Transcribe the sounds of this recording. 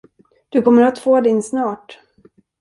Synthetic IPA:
d̪̥ɵkʰɔmːəɾat̪foːd̪ɪnsnɑːʈ

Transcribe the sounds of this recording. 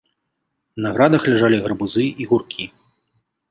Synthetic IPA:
naɣɾad̪ɐxlʲaʐalʲiɣɐɾbuzɨiɣurkʲʰi

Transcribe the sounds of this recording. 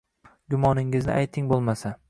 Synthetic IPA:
ɡʲʊmɒnɪŋɪznɪ̰ʔajt̪ʰɪŋbolˠmasa

